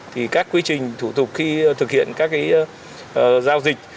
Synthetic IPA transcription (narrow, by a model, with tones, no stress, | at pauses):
t̪ʰi˨˩kaː˦˥kːwi˧ət͡ɕï˨˩ŋ̟t̪ʰu˧˩t̪ʊ˨˩k͡p̚xi˧t̪ʰɨ˨˩k̚hḭ˧˨ənkaː˦˥k̚ʔi˨˦˧ | zaː˧wzï˨˩k̟̚